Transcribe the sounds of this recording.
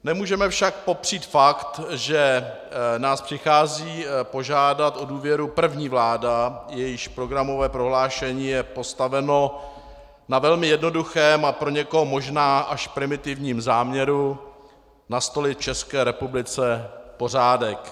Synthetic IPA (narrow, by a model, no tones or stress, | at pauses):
nɛmuːʒɛmɛfʃak̚po̞pr̝̥iːt̪fakt̪ʒɛ | naːspr̥ɪxaːziːpo̞ʒaːdat̪ʔoduːvjɛɾupr̩vɲiːvlaːdajɛjɪʃpɾo̞ɡɾamo̞vɛːpɾo̞ɦlaːʃɛɲiːjɛpo̞st̪avɛno̞ | navɛlmɪjɛdno̞duxɛːmapɾo̞ɲɛko̞ɦomo̞ʒnaːʔaʃpɾɪmɪt̪ɪvɲiːmzaːmɲɛɾu | nast̪o̞lɪtt͡ʃɛskɛːɾɛpublɪt͡sɛpo̞r̝aːdɛk